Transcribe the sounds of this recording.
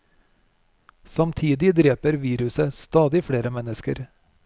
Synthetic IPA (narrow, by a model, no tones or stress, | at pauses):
sɑmt̪ʰiːd̪ɪd̪ɾeːpəɾʋiːɾʉsəst̪ɑːd̪ɪfɽeːɾəmɛnəskəɾ